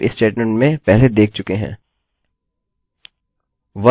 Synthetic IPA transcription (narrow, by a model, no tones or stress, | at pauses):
ɪ̰st͡ʃeːɖmɛ̃ɳʈmẽpɛɦled̪eːk̚t͡ʃʊkeɦɛ̰̃ː | ʋɐ